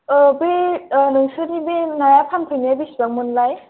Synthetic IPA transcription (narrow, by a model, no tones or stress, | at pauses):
benɯŋsɯnibenajapʰantʰɯjniabisbaŋmɯnlaj